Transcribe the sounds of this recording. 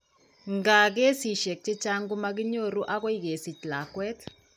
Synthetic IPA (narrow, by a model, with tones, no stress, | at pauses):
ŋɡa˨ɡe˦si˨ʃe˨k̚t͡ʃe˦t͡ʃa˦ŋɡu˦ma˦ɡ̬i˦ɲo˦˨ɾu˦ʔa˦ɣɔ˦i˦ɡe˨si˨t͡ʃla˨kwɛ˦k